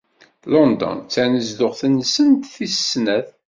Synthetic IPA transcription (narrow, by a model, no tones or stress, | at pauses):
lɔnd̪ɔ̰nt͡sːænəzd̪ʊʁθənːsənt̪θissnæθ